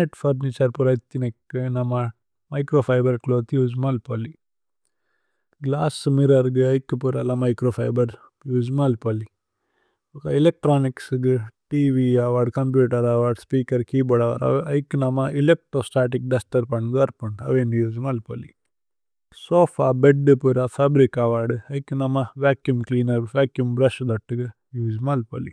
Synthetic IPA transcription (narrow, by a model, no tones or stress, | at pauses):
neʈfɐɾnit͡ʃɐɾpuɾɐit̪ːinɐkːɨnɐma | mɐjkɾoːfʰajbɐɾkloːt̪juːzmɐlpoli | ɡlaːsmiɾɐɾɡɨɐjkːɨpuɾɐlɐmɐjkɾofʰajbɐɾ | juːzmɐlpoli | ukailek̚ʈɾoːniksɡɨʈiːʋiaʋaɾɖkɐmpjuːʈɐɾaʋɐɾɖspiːkɐɾkiːbɐɽɐʋa̰ɾɐ̰ɐjkːnamailek̚ʈɾoːsʈaːʈ̬ik̚ɖɐsʈɐɾpɐɳɡɐɾpɐɳɖɐ̰ʋeːnijuːd͡ʒmalpɐlḭ | soːfʰaːbeɖɨpuɾafʰabɾikaʋaɾɖɨɐikːnɐmaʋaːkjumkliːnɐɾʋaːkjumbɾɐʃd̪ɐʈːɨɡɨ | juːd͡ʒmaːlpɐlḭ